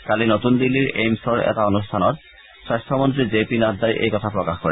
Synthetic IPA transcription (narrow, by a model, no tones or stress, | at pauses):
kalinotund̪ilːiɹejmsɔɹɛ̰taonustʰanɔɹ | sajstʰɔmont̬ɹizepinad̪ajʔḛjkɔt̪ʰapɹɔkaxkoɹɛ